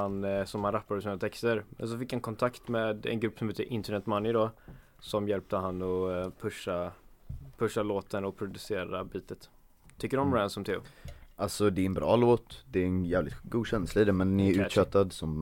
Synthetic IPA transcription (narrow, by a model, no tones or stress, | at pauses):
ansɔmhanɾapːaɾəsiːnat̪ʰɛkst̪əɾmɛ̰ns̬ɔfɪkːhankʰɔnt̪ʰakt̪meːd̪ɛ̰nɡɾɵpːsɔmheːt̪əʔɪnt̪əɳɛt̪manːjɪd̪ɔ | sɔmjɛlp̚t̪əɦanːɔpʰɵʂːa | pʰɵʂːaloːt̪ənɔpʰɾʊd̪ɵseːɾabiːt̪ət̪ | t̪ʰːʏkːəɖɔmɾænd̪sɔmt̪ʰɪʊ̰ʔalt̪sɔd̪ɛːɾɛnbɾɑ̰ːloːt̪d̪ɛːɾɛnjæːvlɪ̰t̪ɡuːd̪ɕɛnslaid̪ɛmɛnnɪæɾʉ̟ːt̪ɕœt̪ːad̪sɔm